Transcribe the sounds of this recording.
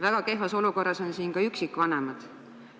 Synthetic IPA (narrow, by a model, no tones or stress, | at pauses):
væɡ̥ɑke̞ɦvɑso̞luko̞rːɑso̞nsiːnkɑyksikːˑvɑnemɑd̪̥